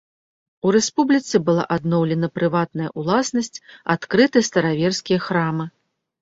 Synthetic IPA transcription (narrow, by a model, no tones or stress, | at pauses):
uɾɛspublʲit̪sɨbɨlˠa̰ʔad̪nɔwlʲɛnɐpɾɨvat̪nɐjɐʔulˠasnɐsʲt͡sʲat̪kɾɨt̪ɨjst̪ɐɾavʲɛrskʲijɐxɾamɨ